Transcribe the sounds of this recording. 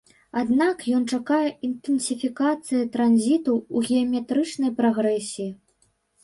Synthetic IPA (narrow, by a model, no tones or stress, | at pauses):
ad̪nakjɔnt͡ʂakajɛʔint̪ɨnsʲifʲikat̪sɨjɐt̪ɾanzʲit̪uuɣʲɛɐmʲɛt̪ɾɨt͡ʂnɐjpɾaɣɾɛsʲijː